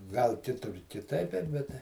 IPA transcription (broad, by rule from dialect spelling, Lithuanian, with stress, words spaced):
ɡɐlˠ ˈkʲɪtʊr kʲɪˈtɐɪp bʲɛt ˈbʲɛt tɐɪ